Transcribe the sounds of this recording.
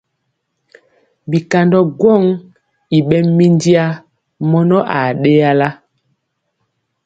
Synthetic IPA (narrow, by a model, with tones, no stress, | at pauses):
bi˨ka˨ndɔ˦ɡwɔ˦˨ŋ | i˨ɓɛ˦mi˦ndi˦a˦ | mɔ˦nɔ˦ʔa˨ɗe˦ja˦la˦